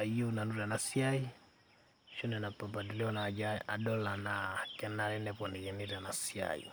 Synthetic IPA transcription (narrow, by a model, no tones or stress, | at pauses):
aiunanuɾanasiai | ʃunɛnapabadiliɔnad͡ʒaa̰ɗɔlanakɛnaɾɛnɛpɔnɛjɛniɾanasia̰ḭ